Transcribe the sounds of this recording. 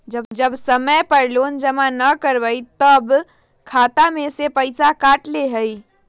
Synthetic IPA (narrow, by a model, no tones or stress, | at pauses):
d͡ʒəbd͡ʒəbsəməjpəɾlond͡ʒəmanəkəɾbəjt̪əb | kʰat̪amesepəɪsakaʈleɦəj